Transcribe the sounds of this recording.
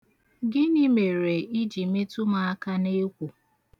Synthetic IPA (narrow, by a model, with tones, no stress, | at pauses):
ɡɪ˦ni˦me˨ɾe˨i˦d͡ʒi˨me˦tu˦ma˨a˦ka˦ne˦kʷu˨